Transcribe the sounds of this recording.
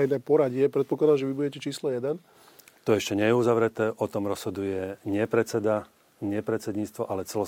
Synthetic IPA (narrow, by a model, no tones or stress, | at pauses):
jnɛːpɔɾaɟɪɛpɾɛt̪̚pɔklˠad̪aʒɛʋibuɟɛcɛt͡ʃiːslɔjɛd̪ɛn | t̪ɔɛʃcɛɲɛjɛuzaʋɾɛt̪ɛːʔɔt̪ɔmɾɔz̥ɦɔd̪ujɛɲɪɛpɾɛt͡sɛd̪a | ɲɪɛpɾɛt͡sɛd̪ɲiːt͡st̪ʋɔʔalɛt͡sɛlɔ